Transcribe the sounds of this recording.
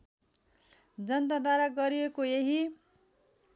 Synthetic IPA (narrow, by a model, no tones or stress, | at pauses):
d͡zʌnt̪ʌd̪waɾaɡʌɾijekojeɦi